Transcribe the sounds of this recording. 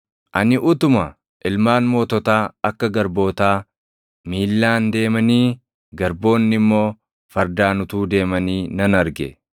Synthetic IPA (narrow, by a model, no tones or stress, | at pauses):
ʔɐnɪʔʊt̪ʊmɐ | ʔɪlmaːnmo̞ːt̪ɔt̪aːɐkːɐɡɐɾbo̞ːt̪aː | miːlːaːnd̪e̞ːmɐniː | ɡɐɾbo̞ːnːɪmːo̞ː | fɐɾd̪aːnʊt̪uːd̪e̞ːmɐniːnɐnɐɾɡɛ̰